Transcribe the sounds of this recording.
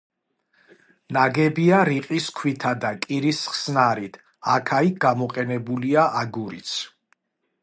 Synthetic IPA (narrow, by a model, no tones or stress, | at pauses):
naɡɛbiaɾiqʼiskʰwit̪ʰad̪akʼiɾisχsnaɾit̪ʰ | akʰaiɡamɔqʼɛnɛbuliaʔaɡuɾḭt̪sʰ